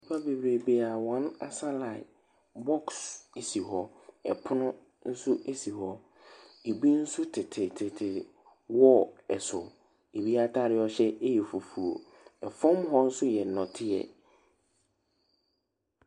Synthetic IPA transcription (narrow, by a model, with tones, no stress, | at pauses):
i˦pʰa˦be˨bɾe˨be˨a˨wɔ̃˨˦na̰˨sa˦la˨ɪ˨ | bɔ˦kse˨si˨ɦɔ˦ | ɛ̰˨pʰʊ˦nʊ̃˦ | n̩˦sʊ˦ʔe˦si˨hɔ˦ | e˨bi˦n̩˦sʊ˦tʰɪ˨tʰɪ˨tʰɪ˨tʰɪ˨ | wɔ˦ɛ˨sʊ˨ | e˨bi˦a˦tʰa˦ɾɪ˦ɔ˦ɕɛ˦e˦jɛ˨fu˨fu˨o̰˨ | ɛ˨fɔ̃˦m˦ɦɔ˦n̩˦sʊ˦jɛ˨nɔ̃˨tʰɪ˦ɛ̰˨